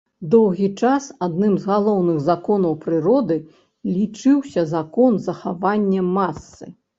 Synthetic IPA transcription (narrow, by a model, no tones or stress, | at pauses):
d̪ɔwɣʲit͡ʂasad̪̚nɨmzɣalˠɔwnɨɣzakɔnɐwpɾɨɾɔd̪ɨ | lʲit͡ʂɨwsʲɐzakɔnzɐxavanʲːɛmasːɨ̰